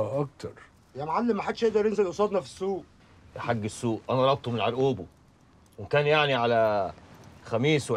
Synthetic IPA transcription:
ʔɑkt̪ɑɾˤ | jæmʕalːemːæħad̪ʃʔeʔd̪ɑɾˤjenzelʔosˤɑːd̪nɑfi̥sːuːʔ | ħaɡːesːuːʔʔænæɾˤɑb̪̚t̪homelʕaɾˤʔuːbo | wekæːnjaʕniʕalæ | xæmiːsw

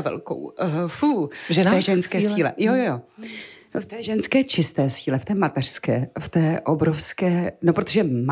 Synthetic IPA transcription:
vɛ̰lko̰wfuʒɛɛːʒɛnskkɛːlsilɛ̰jojojo | ft̪ɛːʒɛnskɛːt͡ʃɪst̪ɛːsiːlɛft̪ɛːmat̪ɛr̝̥skɛːft̪ɛːʔobɾofskɛːnopɾo̞t̪oʒɛm

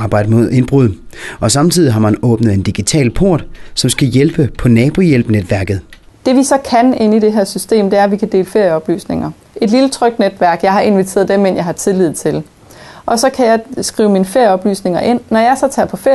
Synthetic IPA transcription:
ɑːb̥ɑ̈ɪ̰d̥əmo̝ð̰ˠe̝nb̥ʁuð̰ˠ | ɒ̽sɑ̈mt͡sʰið̰ˠiɦɑ̈mænɔ̽ːb̥nəðˠe̝nd̥iɡ̥it͡sʰɛ̰ːlpʰo̝ɐ̰d̥sɒ̽msɡ̥æjelb̥əpʰɒ̽nɛːb̥o̝jelb̥ned̥ʋæɐɡ̥ð̞̩ˠ | d̥e̝ʋisɒ̽kʰæne̝nide̝ɦæɐ̰sysd̥e̝̰ːmd̥e̝æɐʋikʰæd̥e̝̰ːləfe̝ɐ̰jəɒ̽b̥ly̰ːsne̝ŋɐ | e̝d̥lilət͡sʰʁœɡ̥̚d̥̚ned̥ʋæɐɡ̥jɑ̈ɪɦɑ̈e̝nʋit͡sʰe̝̰ːɐð̞ˠd̥emen̰jɑ̈ɪhɑ̈t͡sʰe̝lið̞̩̰ˠt͡sʰe̝l | ʔɒ̽sɒ̽kʰæjɑ̈ɪsɡ̥ʁḭːʊminəfe̝ɐ̰jəɒ̽b̥ly̰ːsne̝ŋɐʔe̝n̰ːɒjɑ̈ɪsɒ̽t͡sʰɛ̰ɐpʰɒ̽fe

